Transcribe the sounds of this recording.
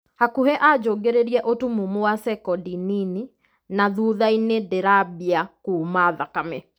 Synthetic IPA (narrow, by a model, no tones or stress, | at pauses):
hakuhɛʔad͡ʒoːɡeɾeɾiɛʔotumumowasɛkɔdinini | naðuːðainedeɾabjakumaðakamɛ